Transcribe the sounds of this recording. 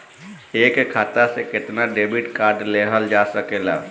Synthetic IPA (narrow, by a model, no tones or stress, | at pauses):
ekekʰaːt̪asekɪt̪naɖeːbiʈkaːɾɖleɦəld͡ʒaːsəkela̰ː